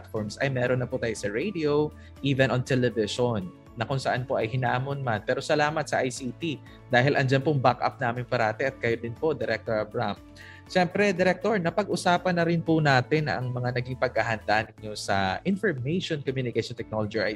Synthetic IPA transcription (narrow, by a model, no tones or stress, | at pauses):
lt̪foɹmsʔɐjmɛːɾonːɐpʊt̪aːjosɐɹejd̪io | ʔiːvɛnʔont̪ɛlɛvɪʃonː | ɐkʊŋsɐʔanpo̞ʔɐjhɪnaːmonmanpɛːɾo̞sɐlaːmɐt̪sɐʔajsiːt̪i | d̪aːɦɪlʔɐnd͡ʒanpʊŋbakʔa̰p̚naːmɪnpɐɾaːt̪ɛʔɐt̪̚kɐjod̪ɪnpo̞d̪ɛɾɛk̚t̪oɹɐbɹam | ʃɛmpɾɛd̪ɛɾɛk̚t̪oɹnɐpɐɡ̚ʔʊsaːpɐnːɐɾɪnpʊnaːt̪ɪnʔɐ̰ŋmɐŋanɐɡiŋpɐɡ̚aɦɐnd̪anɪŋɲo̞sɐ̰ʔɪnfoɹmejʃonkomjuːnɪkaʃont̪ɛk̚noːlod͡ʒiʔ